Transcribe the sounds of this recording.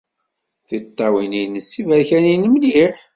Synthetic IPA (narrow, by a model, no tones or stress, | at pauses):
θit̪ˤːɑwininəsːivæɾçæninəmliħ